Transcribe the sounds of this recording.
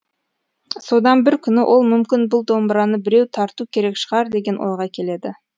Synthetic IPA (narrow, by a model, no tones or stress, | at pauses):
so̞d̪ɑnbɪɾkʲʰʏnɪʔo̞lˠmʏmkʲɪnbʊlˠd̪o̞mbəɾɑnəbɪɾe̞wt̪ʰɑɾt̪ukʲʰe̞ɾe̞kʃə̥ʁɑɾd̪e̞ɡʲe̞nʔwo̞̰jʁɑkʲʰe̞le̞d̪ɪ